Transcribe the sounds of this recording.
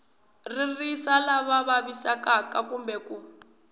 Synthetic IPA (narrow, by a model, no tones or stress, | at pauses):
ririsalaβaβaβisakakakumbɛku